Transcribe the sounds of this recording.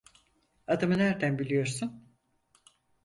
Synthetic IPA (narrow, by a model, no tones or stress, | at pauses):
ad̪ɯmɯnæɾd̪ænbilʲijo̞ɾsun